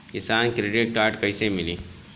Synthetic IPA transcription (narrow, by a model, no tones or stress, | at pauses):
kɪsaːnkɾeɖɪʈ̚kaːɾʈkɐisemɪliː